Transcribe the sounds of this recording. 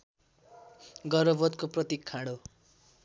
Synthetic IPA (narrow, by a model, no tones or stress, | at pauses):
ɡʌɾʌbʌt̪koprʌt̪ikʰːaɽo